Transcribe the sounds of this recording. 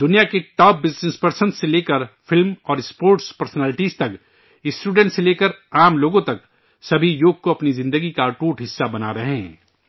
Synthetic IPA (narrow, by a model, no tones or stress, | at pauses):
d̪ʊnijakeʈɔːp̚bɪznespɐɾsə̃nd̪seleːkəɾfʰɪlmɔːɾspoːɾʈspɐɾsnɛːlɪʈizt̪ɐk | ɪsʈuːɖɛ̃ːɳʈseleːkəɾaːmloːɡõt̪ɐk | sɐbʱijoːɡ̚koɐpnizɪ̃nd̪əɡikaʈuːʈɦɪsːabɐna̰ɾɐɦeɦ